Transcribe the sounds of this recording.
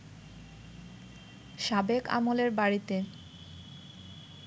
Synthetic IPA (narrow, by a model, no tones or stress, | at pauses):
ʃabeka̰moleɾbaɾit̪e